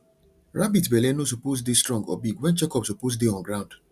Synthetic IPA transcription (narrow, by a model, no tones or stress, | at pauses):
ɹʔabitbelenos̬upos̬distɹɔ̃ŋɡɔ̰biɡwɛ̃nt͡ʃɛkɔpsupos̬deɔ̃nɡɹãʊ̃nd̥